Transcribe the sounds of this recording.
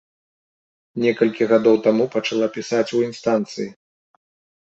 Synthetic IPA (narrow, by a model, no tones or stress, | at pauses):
nʲɛkɐlʲkʲiɣad̪ɔwt̪amupɐt͡ʂalˠapʲisat͡sʲuinst̪ant̪sɨji